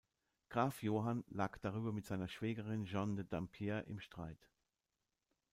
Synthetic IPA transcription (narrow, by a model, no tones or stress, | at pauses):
ɡ̥ʁaːfjoːɦanlaːkd̥aʁyːbɐmɪtz̥aɪnɐʃv̥ɛːɡəʁɪnʒɔndədampʰjɛːɐʔɪ̰mʃtʁ̥a̰ɪt